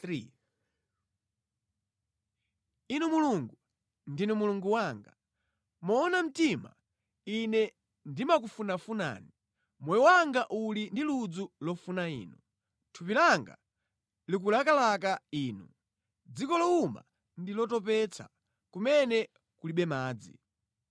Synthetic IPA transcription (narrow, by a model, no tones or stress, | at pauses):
ɾi | inumuluŋɡu | ndinumuluŋɡuwaŋɡa̰ | mɔːnam̩tima̰ | inɛ | ndimak̬ufunafuna̰ːni | mɔjɔwaŋɡaʔulindilud͡zulɔfunaḭːnṵ | tʰupilaŋɡa̰ | lik̬ulakalak̬aiːnṵ | d͡zikɔlɔuma̰ | ndilɔtɔp̬ɛt͡sʰa̰ | kumɛnɛ | kuliɓɛmaːd͡zḭ